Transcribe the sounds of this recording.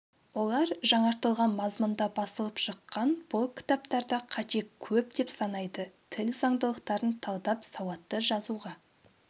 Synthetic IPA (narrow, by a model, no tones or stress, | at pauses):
wo̞lˠɑɾʒɑɴɑɾt̪əlˠʁɑnmɑzmənd̪ɑbɑsəlˠəpʃəqːɑnb̥ʊlˠkʲʰɪ̥t̪ɑp̚t̪ɑɾd̪ɑqʰɑt̪e̞kkʲʰɵp̚d̪e̞psɑnɑjd̪ət̪ʰɪlzɑɴd̪əlˠəqt̪ɑɾənt̪ʰɑlˠd̪ɑpsɑwɑt̪ːəʒɑzuʁɑ